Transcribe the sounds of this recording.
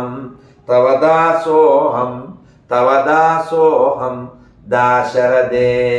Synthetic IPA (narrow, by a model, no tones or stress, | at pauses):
m | t̪ɐʋɐd̪aːsoːɦɐm | t̪ɐʋɐd̪aːsoːɦɐm | d̪aːʃɐɾɐd̪eː